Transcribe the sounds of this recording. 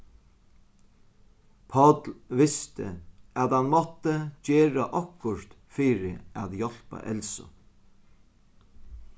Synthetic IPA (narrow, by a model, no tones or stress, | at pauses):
pʰɔt̪lʋɪst̪ə̰æt̪hanmɔt̪ːət͡ɕeːɾaʔɔkːʊɾt̪ | fiːɾɪæðjɔl̥pa̰ʔɛlsɔ̰